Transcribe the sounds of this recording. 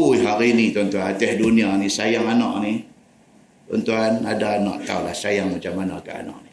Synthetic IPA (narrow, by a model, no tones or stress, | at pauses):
uiɦaɾinit̪unt̪uanat̪ɛhdunianisajaŋanɔ̰ʔni | ṵnt̪uanadaːnɔ̰ʔt̪a̰ula̰hsajaŋmat͡ʃamana̰ka̰a̰nɔ̰ʔni